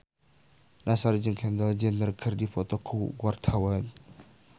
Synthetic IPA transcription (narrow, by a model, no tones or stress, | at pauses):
nasaɾid͡ʒəŋkʰɛnd̪ald͡ʒənːərkʰərdifɔt̪ɔkʰuɡwart̪ʰawan